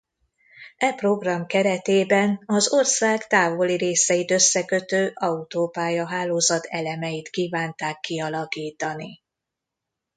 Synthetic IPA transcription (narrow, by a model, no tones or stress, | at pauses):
ɛpro̞ɡrɒmkɛɾɛt̪eːbɛnɒzo̞rsaːɡt̪aːvo̞liɾeːsɛjit̪ø̞sːɛkø̞t̪øːʔɒut̪oːpaːjɒɦaːloːzɒt̪ʰɛlɛmɛjit̪kiːvaːnt̪aːkːiɒlɒkiːt̪ɒni